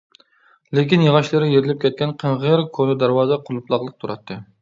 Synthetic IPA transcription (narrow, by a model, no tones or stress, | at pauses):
lekʲinjəʁɑʃlˠɨɾɪjeɾɪlɪp̚kʲʰɛt̪̚kʲɛnqʰənʁəɾkʰonɨd̪æɾwɑːzɛqʰʊlˠuplˠɑqlˠəq̚t̪ʰuɾɑt̪ʰːɨ